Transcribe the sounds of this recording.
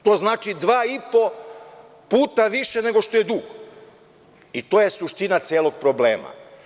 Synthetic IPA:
t̪o̞ːznaːt͡ʃid̪ʋaːipo̞ | puːt̪aʋiʃene̞ɡo̞ʃt̪o̞je̞d̪uːɡ | it̪o̞ːje̞suʃt̪inat̪sʲjeːlˠo̞ɡ̚pɾo̞bleːma̰

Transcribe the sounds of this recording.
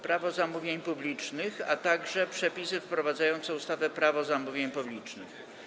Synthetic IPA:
pɾavɔzamuvʲjeɲpublʲit͡ʂnɘxat̪aɡʐɛpʂɛpʲisɘfpɾɔvad̪zajɔnt̪sɛust̪avɛpɾavɔzamuvʲjeɲpublʲit͡ʂnɘ̰x

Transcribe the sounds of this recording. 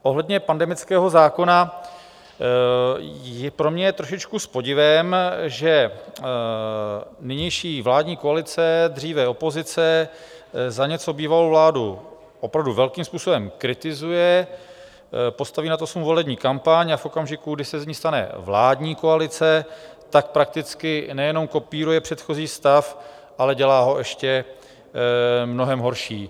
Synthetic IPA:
ʔo̞ɦlɛdɲɛpandɛmɪt͡skɛːɦo̞zaːko̞na | jɛpɾo̞mɲɛjɛt̪ɾoʃɪt͡ʃkuspo̞ɟɪvɛmʒɛ | nɪɲɛjʃiːvlaːdɲiːko̞alɪt͡sɛd̪r̝iːvɛo̞po̞zɪt͡sɛ | zaɲɛt͡sobiːvalowvlaːdu | ʔopɾavduvɛlkiːmspuːso̞bɛmkɾɪt̪ɪzujɛ | po̞st̪aviːnat̪osmuvo̞lɛbɲiːkampaɲafʔo̞kamʒɪkuɡdɪsɛzɲiːst̪anɛ̰vlaːdɲiːko̞alɪt͡sɛ | t̪ak̚pɾak̚t̪ɪt͡skɪnɛjɛno̞mko̞piːɾujɛpr̝̥ɛt̪xo̞ziːst̪af | ʔalɛɟɛlaːɦo̞ʔɛʃcɛ | mno̞ɦɛmɦo̞ɾʃiː

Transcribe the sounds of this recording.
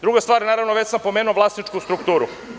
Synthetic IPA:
d̪ɾuɡast̪ʋaːɾjnaːɾaʋnoʋe̞t͡ɕsampomeːnuoʋlaːsnit͡ʂkust̪ɾukt̪uːɾu

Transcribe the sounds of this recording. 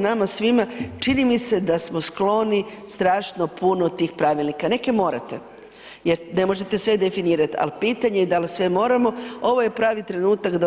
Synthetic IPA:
namasʋimat͡ʂinimise̞d̪asmosklˠo̞ni | st̪ɾaːʃno̞punot̪iːxpɾaʋilˠnikane̞ke̞mo̞ːɾat̪e̞ | jeɾne̞mo̞ʒe̞t̪e̞sʋe̞d̪e̞finiːɾat̪a̰lpiːt̪aɲed̪alisʋe̞mo̞ːɾamo̞o̞ʋo̞je̞pɾaːʋit̪ɾe̞nuːt̪akd̪a

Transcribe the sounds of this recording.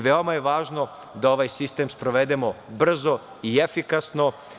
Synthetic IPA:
ʋeo̞majeʋaːʒno | d̪ao̞ʋajsist̪emspɾoʋed̪emo̞br̩zo̞ | iefikasno̞

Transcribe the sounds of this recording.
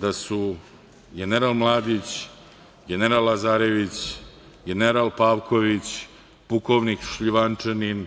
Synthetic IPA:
d̪asu | ɡʲeneɾalmlˠaːd̪it͡ɕ | ɡʲeneɾalːazaːɾeʋit͡ɕ | ɡeneɾalpaːʋkʰoʋit͡ɕ | pukoʋnikʃʎiʋant͡ʂenin

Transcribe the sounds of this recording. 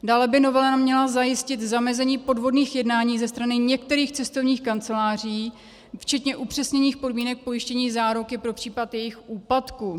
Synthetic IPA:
daːlɛbɪno̞vɛlanamɲɛlazajɪscɪt̪zamɛzɛɲiːpo̞dvo̞dniːxjɛdnaːɲiːzɛst̪ɾanɪɲɛk̚t̪ɛɾiːxt͡sɛst̪o̞vɲiːxkant͡sɛlaːr̝iː | ft͡ʃɛt̪ɲɛʔupr̝̥ɛsɲɛɲiːxpo̞dmiːnɛk̚po̞jɪʃcɛɲiːzaːɾokɪpɾo̞pr̝̥iːpat̪jɛjɪxʔuːpat̪ku

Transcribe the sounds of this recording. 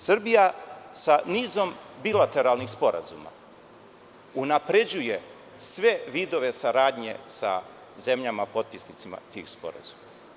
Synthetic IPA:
sr̩bijasaniːzo̞mbilat̪e̞ɾalnixspo̞ɾa̰zṵma̰ | unapɾe̞d͡ʑuje | sʋe̞ʋiːd̪o̞ʋe̞saɾaːd̪ɲe̞̰sa̰ | ze̞mʎamapo̞t̪̚pisnit̪sima̰t̪ḭːxspo̞̰ɾa̰z̥uma

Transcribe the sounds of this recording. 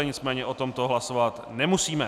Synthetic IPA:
ɛɲɪt͡smɛːɲɛʔo̞t̪o̞mt̪o̞ɦlasovat̪nɛmusiːmɛ

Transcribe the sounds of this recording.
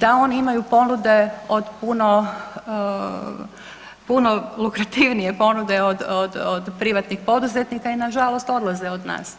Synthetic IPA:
d̪̥ao̞niimajupo̞nud̪e̞o̞d̪puno̞ | puno̞lukɾat̪iʋnije̞po̞nud̪e̞od̪od̪od̪pɾiʋat̪nixpo̞d̪uzet̪nikainaʒalo̞st̪o̞d̪lˠazeod̪na̰ːs

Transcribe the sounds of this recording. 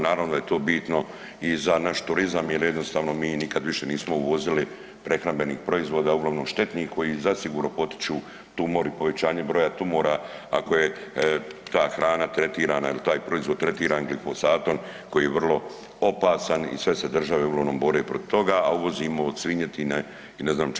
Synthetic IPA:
naːɾaʋnod̪ajet̪oːbiːt̪no̞ | izanaʃt̪uɾizamjelje̞d̪no̞st̪aːʋno̞miːnikad̪ʋiʃe̞niːsmo̞uʋo̞zili | pɾe̞xɾambe̞niːxpɾo̞izʋo̞ːd̪aːuɡlaʋno̞mʃt̪e̞t̪niːxko̞jiːzasiɡuːɾnopo̞t̪i̥t͡ʃuː | t̪umoɾipo̞ʋe̞t͡ɕaːɲe̞bɾo̞jat̪umoːɾaako̞je̞ | t̪aːxɾaːnat̪ɾe̞t̪iːɾaːnailt̪aːjpɾo̞izʋod̪t̪ɾe̞t̪iːɾaːnɡlifosaːt̪o̞nko̞jiːjeʋr̩lˠo̞ | o̞paːsanḭsʋe̞se̞d̪r̩ʒaʋeuɡlˠaʋno̞mbo̞ɾeːpɾot̪i̥t̪o̞ɡaauʋo̞ziːmood̪sʋiɲet̪ine | ineznaːm

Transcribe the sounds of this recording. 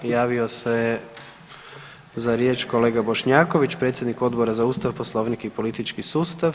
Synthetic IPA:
jaːʋioseje | zaɾjeːt͡ʃko̞le̞ːɡabo̞ʃɲaːko̞ʋit͡ʃpɾet̪sjed̪niko̞d̪boɾazauːst̪aʋposlˠo̞ʋnikipo̞lit̪it͡ʃkisuːst̪aʋ

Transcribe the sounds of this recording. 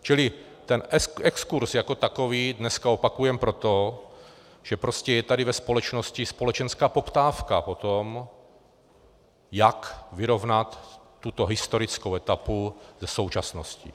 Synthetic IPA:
t͡ʃɪlɪ | t̪ɛnɛɛkskuɾsjako̞t̪akoviːdnɛskaopakujɛmpɾo̞t̪o | ʒ̥ɛpɾoscɛjɛt̪adɪvɛspo̞lɛt͡ʃno̞scɪspo̞lɛt͡ʃɛnskaːpo̞pt̪aːfkapo̞t̪om | jakvɪɾo̞vnat̪ː | ut̪o̞ɦɪst̪o̞ɾɪt͡skowɛt̪apuzɛsowt͡ʃasnoscḭ

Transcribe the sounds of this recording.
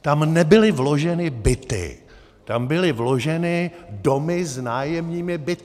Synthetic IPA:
t̪amnɛbɪlɪvlo̞ʒɛnɪbɪt̪ɪ̰ | t̪ambɪlɪvlo̞ʒɛnɪdomɪznaːjɛmɲiːmɪbɪt̪

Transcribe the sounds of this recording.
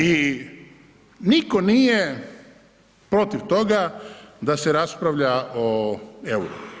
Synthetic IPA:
i | niko̞nije̞ | pɾo̞t̪iʋt̪o̞ɡad̪ase̞ɾaspɾaʋʎaoewɾo̰

